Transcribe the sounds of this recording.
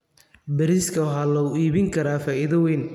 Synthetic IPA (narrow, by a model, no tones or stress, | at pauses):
bɐɾiskʰɐɦaːlɐʊiːβɪŋkʰɐɾaːfaːʔɪðɐwɛːn